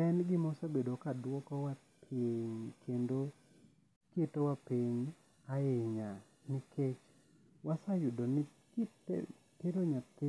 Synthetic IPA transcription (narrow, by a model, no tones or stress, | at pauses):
ɛnɡɪmɔsabedokadwɔkɔwa | pʰeɲkʰendo | ketowapiɲ | ajeɲa | nɪkʰet͡ʃ | wasajʊdonɪ | kɪt | teɾoɲat̪ɪ